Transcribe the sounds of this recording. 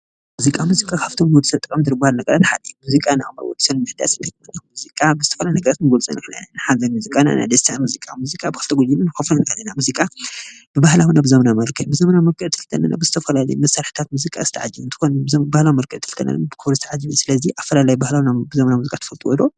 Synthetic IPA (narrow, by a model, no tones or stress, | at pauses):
muzikʼamuzikʼakʰaβt̪ʰo̞mwɔd̪ɨsɐβt̪ʼɨkʼɐmd̪ɨɾɨbahalnɐɡɐɾat̪ħa̰limuzikʼanama̰wɔ̰d̪isɐnɨmɨħd̪a̰sɨnt̪ʰɨkʼmɐnamuzikʼabɨzɨt̪ʰɐfɐlaljinɐɡɐɾat̪nɨɡolt͡sʼɐ̰nakʰɐla̰nanħazɐnmuzikʼana̰na̰jd̪ɐst̪ʰamuzikʼa̰muzikʼabɨxɨlt̪ʰɐɡʷod͡ʒilɨnɨxofunnkʰɐlːinamuzikʼa | b̥ɨbahlawinabɨzɐmɐnamɐlkʰɐjbɨzɐmɐnamɐɾkʰʼɨʕt̪ʰɨ̥lt̪ʰɐnːa̰na̰bɨzɨt̪ʰɐfɐlalɐjmɐsaɾħit̪ʰat̪muzikʼa̰zɨt̪ʰɐʕad͡ʒiβɨnt̪ʰɨ̥konbahlawimɐɾkʰʼɨʕt̪ʰɨ̥lt̪ʰɐ̰na̰lɨmabɨkʰɨβɾɨzɨt̪ʰɐʕad͡ʒːiβsɨlɐziʔafːɐlalajibahlawinabɨzɐmɐnamuzikʼat̪ʰɐfɐlt̪ʼiwɔd̪o